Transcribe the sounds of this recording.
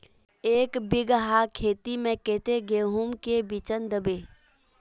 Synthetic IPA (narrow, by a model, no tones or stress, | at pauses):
eːkbɪɡɦakʰeːt̪imẽkeːt̪eɡeːɦumkebit͡ʃənd̪əbe